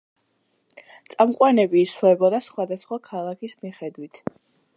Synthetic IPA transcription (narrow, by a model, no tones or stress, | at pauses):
t̪sʼamqʼwanɛbiːslɛbɔd̪asχwad̪asχwakʰalˠakʰismiχɛd̪wit̪ʰ